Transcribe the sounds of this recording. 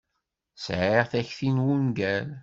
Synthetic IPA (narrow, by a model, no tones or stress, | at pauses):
sʕiʁθæçθinwunɡæl